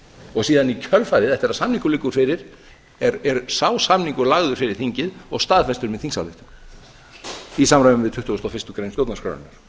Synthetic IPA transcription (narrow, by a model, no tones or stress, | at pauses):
ɔɣsiːðanicʰœlfaːɾɪðɛht̪ɪɾaðsamniŋkʏlɪkːʏɾ̥fɪɾɪɾ̥ | ɛɾɛɾsaːwsamniŋkʏɾlaɣðʏɾ̥fɪɾɪɾ̥θiɲcɪðɔɣst̪aːðfɛst̪ʏɾmɛðθiŋsa̰lʏht̪ʏ | isaːmɾajvʏmvɪðt̪ʰʏht̪uɔst̪awfɪst̪ʏkɾejnmsjowt̪naskʰœ̰ɾʏ̰nʏɾ̥